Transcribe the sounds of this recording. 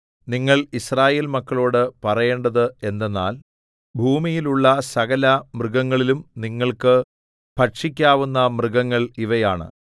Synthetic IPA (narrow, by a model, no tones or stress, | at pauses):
niŋːɐɭisraːje̞ːlmɐkːɐɭo̞ːɽɨpɐrɐje̞ːɳɖɐðɨe̞nd̪enːa̰ːl | bʱuːmijiluɭːɐsɐɣɐlɐmrɨɡɐŋːɐɭilumniŋːɐɭkɨ | pʰɐʈʂikʲːaːʋunːɐmrɨɣɐŋːɐɭiʋɐjaːɳɨ̰